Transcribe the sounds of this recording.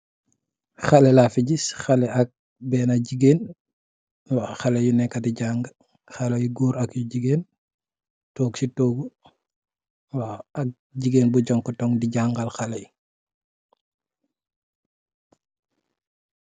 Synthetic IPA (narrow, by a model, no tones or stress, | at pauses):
xalɛlafiɟisxalɛɐk̚ | bɛːnaɟiɡeːn | waxalɛjunɛkːadiɟaːŋɡ | xalejuɡuːɾakjuɟiɡeːn | tɔːɡsitɔːɡu | waak̚ | ɟiɡeːnbuɟɔŋkɔtɔŋdiɟaŋɡalxalɛj